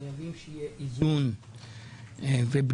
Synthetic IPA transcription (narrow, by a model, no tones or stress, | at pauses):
avimʃejeʔizun | veb